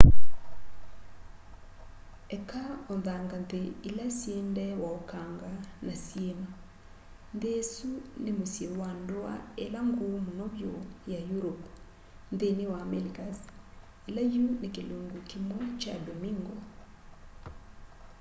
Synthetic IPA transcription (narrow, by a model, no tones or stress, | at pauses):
ɛkaonðaŋɡandeilasjendɛwaokaŋɡanasjema | ndesunemosjewandoa̰elaŋɡomonɔβjojajuɾop | ndenewamelikas | elajunekeloŋɡokimwɛt͡ʃabɔmiŋɡɔ